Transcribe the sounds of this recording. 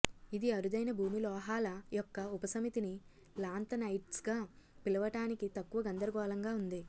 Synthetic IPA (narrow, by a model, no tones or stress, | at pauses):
id̪iɐɾud̪ɐjnɐbʱuːmilɔːɦaːlɐjɔkːɐupɐsɐmit̪ini | laːnt̪ɐnɐjʈsɡaːpilɐʋɐʈaːnikit̪ɐkːuʋɐɡɐnd̪ɐɾɐɡɔːlɐŋɡaːund̪i